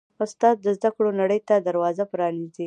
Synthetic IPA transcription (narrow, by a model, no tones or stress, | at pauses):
ʊst̪ɑt̪̚d̪əzd̪akɽonaɽəjt̪ad̪aɾwɑzapɾɑnizi